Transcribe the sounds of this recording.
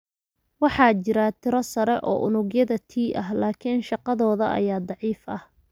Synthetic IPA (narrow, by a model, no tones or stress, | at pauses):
wɑħɑːt͡ʃɪɾat̪ʰɪɾɔsɐɾɛʔɔ̰ːʔʊnʊɣjɐðɐt̪ʰiːʔɐɦlaːkʰɪnʃɑqɑðɔːðɐʔɐ̰jaːd̪ˤɑʕiːfɐh